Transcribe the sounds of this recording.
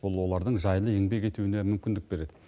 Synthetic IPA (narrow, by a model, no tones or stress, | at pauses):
bʊlˠwo̞lˠɑɾd̪əɴʒɑjlˠəeŋbe̞kʲe̞t̪uwɪnemʏmkʲɪnd̪ɪk̚be̞ɾe̞d̪ɪ